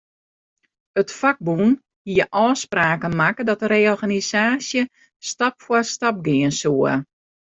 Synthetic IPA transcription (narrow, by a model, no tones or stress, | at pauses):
ətfaɡ̚bun | hiəʔɔːspraːkəmakədɔtəɾeːɔrɣanisaːsjə | stapfwastap̚ɡɪənsuə